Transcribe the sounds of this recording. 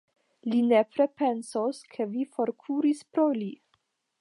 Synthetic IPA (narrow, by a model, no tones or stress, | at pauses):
linepɾe̞pe̞nsoskʰe̞vifo̞ɾkʰuɾispɾoli